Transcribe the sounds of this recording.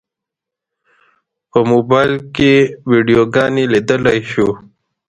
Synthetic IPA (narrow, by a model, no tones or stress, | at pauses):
pəmobaːjlkewiɖijoɡɑːnilid̪əlajɕu